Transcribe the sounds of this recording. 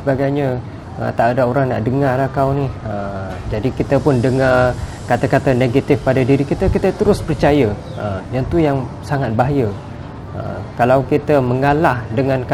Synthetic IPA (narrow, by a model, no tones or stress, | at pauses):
əbaɡajɲə | ə̰t̪aʔadaoɾaŋna̰ʔdəŋarlahkawniəd͡ʒadikit̪əpʊndəŋa | kat̪akat̪aneɡat̪ɪfpadadiɾikit̪əkit̪ət̪əɾʊspərt͡ʃaja | əmjaŋt̪ujaŋ | saŋat̪̚baɦajə | ə̰kalawkit̪əməŋalahdəŋãnk